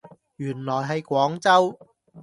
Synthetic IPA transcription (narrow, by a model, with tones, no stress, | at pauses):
jyː˨˩nlɔː˨˩jɦɐ˨jkʷɔː˨˥ŋt͡sɐ˥w